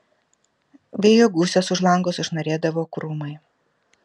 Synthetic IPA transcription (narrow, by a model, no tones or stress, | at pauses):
ʋʲeːjoɡuːsʲɛsʊʒlˠɐŋɡoːsʊʒnɐɾʲeːd̪ɐʋoːkɾʊmɐɪ